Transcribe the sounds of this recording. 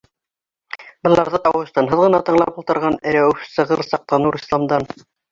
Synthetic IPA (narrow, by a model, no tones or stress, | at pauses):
bɤ̆lˠːɑɾðɤt̪ɑwɤ̆st̪ɑnɦɤðʁɤ̆nɑt̪ɤ̆ɴlˠɑ̰pulˠt̪ɤ̆ɾʁɑnɘ̆ɾæwsɤ̆ʁɤɾsɑq̚t̪ɑnɤɾislˠɑmd̪ɑn